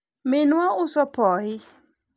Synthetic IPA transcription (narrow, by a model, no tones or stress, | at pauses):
mɪnwaʊsɔpɔɪ